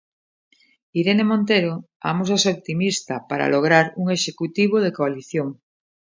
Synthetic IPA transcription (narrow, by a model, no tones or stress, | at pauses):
iɾenemõnt̪eɾo | a̰mos̬aseop̚t̪imist̪apaɾa̰loɣ̞ɾaɾuŋe̞ʃekut̪iβ̞oð̞ekoaliθjoŋ